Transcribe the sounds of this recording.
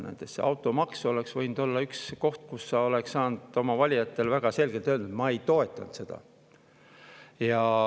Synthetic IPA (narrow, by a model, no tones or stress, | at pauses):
nḛt̪ːˑesseɑwt̪ːˑo̞mɑkso̞le̞ksvɤjnd̪̥o̞lːɑyksko̞ht̪̚kusːɑo̞le̞ksːɑːnd̪̥o̞mɑvɑlʲijɑt̪ːˑe̞lvæɡ̥ɑse̞lɡ̥e̞lt̪ølnd̪ut̪mɑe̞jt̪o̞e̞t̪ːˑɑnt̪se̞d̪̥ɑ̰ | jɑ